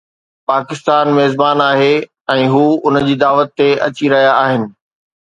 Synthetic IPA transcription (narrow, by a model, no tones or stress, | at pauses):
paːkɪst̪aːnmeːzbaːnaːɦe | ɛ̃ːɦuːʊnəd͡ʑiːd̪aːʋət̪ːeʔɐ̰t͡ɕiɾɐɦijaaːɦɪnɪ̆